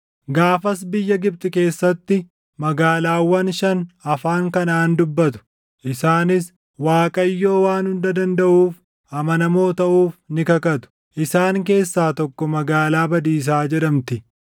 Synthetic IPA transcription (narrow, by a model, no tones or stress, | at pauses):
ɡaːfɐs̬bɪjːɐɡɪb̚t̪ʼɪke̞ːsːɐt̪ːɪ | mɐɡaːlaːwːɐnʃɐnɐfaːŋkɐnaːnd̪ʊbːɐt̪ʊ̥ | ʔɪsaːnɪs | waːkʼɐjːo̞ːwaːnhʊnd̪ɐd̪ɐnd̪ɐʔuːf | ɐmɐnɐmo̞ːt̪ɐʔuːfnɪkɐkɐt̪ʊ̥ | ʔɪsaːŋk̬e̞ːsːaːt̪ɔkːɔmɐɡaːlaːbɐd̪iːs̬aːd͡ʒɛᶑɐmt̪ɪ